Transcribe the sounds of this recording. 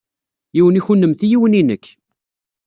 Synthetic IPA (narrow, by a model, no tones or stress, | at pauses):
jiwəniçunːəmθijiwəninəkː